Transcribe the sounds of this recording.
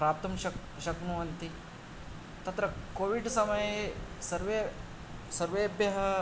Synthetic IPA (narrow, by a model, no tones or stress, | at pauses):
pɾaːp̚t̪ɐmʃɐ | ʃɐknuʋɐnt̪i | t̪ɐt̪ɾɐkoːʋiɖsɐmɐjesɐɾʋe | sɐɾʋeːbjɐɦɐ